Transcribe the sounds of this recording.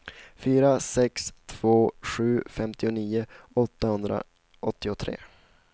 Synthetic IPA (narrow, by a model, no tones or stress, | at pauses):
fyːɾasɛkst̪ʰv̥oːɧʉ̟ːfɛmt̪ɪʊniːʊɔt̪ːahɵnd̪ɾa̰ | ʔɔt̪ːɪʊt̪ʰɾḛː